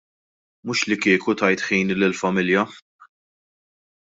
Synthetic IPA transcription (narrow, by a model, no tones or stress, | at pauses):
mʊːʃlɪkɪːkut̪ɐjt̪ħiːnlɪlfɐmɪljɐ